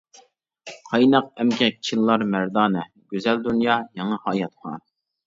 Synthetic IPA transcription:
qʰɑjnɑqɛmkʲʰɛk̚ʲt͡ʃʰinlˠɑɾmæɾd̪ɑːnɨ | ɡ̥ʲyzɛld̪unjɑːjɑŋɑhɑːjɑt̪̚qʰɑ̰

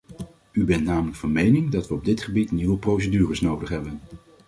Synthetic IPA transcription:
ybɛntnaːmələkfɑnmejnɪŋdɑtʋəɔb̚dɪtχəbitniʋəprows̬ədyːrəsnowdəχɦɛbən

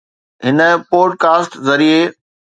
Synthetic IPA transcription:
ɦɪnə̆poːɖ̚kaːsʈzɐɾie

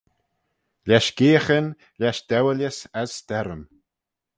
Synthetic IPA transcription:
lʲaʃɡeːxən | lʲaʃd̪̥ɛwəlʲjəsasːt̪ɛɾəm

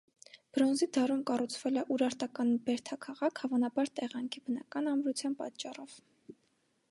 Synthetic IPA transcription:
b̥ɾɔnzid̪ɑɾumkɑrut͡sʰvɛlɛʔuɾɑɾt̪ɑkɑnbɛɾt̪ʰɑkʰɑʁɑkʰhɑvɑnɑbɑɾt̪ɛʁɑŋkʰibənɑkɑnɑmɾut͡sʰjɑnpɑ̰t͡ʃːɑrɔv̥

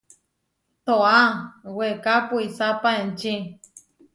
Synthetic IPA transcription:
t̪oawekapuisapaent͡ʃi

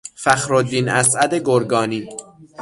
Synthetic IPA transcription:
fæxɾod̪ːiːnʔæsʔæd̪eɡoɾɡɒːniː

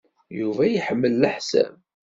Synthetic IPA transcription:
juvæjəħəmːəlːəħsæ̰m

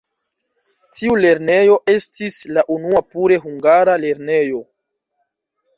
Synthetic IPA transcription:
tiule̞ɾne̞jo̞ʔe̞stislaʔunuapuɾe̞ɦuŋɡaɾale̞ɾne̞jo̞

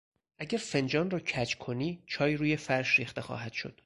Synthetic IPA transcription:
ʔæɟæɾfe̞nd͡ʒɒːnrɒːcʰæt͡ʃkʰo̞niːt͡ʃʰɒːjiɾuːjefæɾʃɾiːxt̪e̞xɒ̰ːɦæd̪̥ʃo̞̰d̪̥

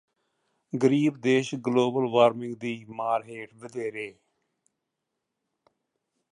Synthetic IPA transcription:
ɡəɾiːbd̪eːʃɡloːbəlʋaːɾmɪ̃ŋɡd̪iːmaːɾɦeːʈʋɪd̪eːɾeː

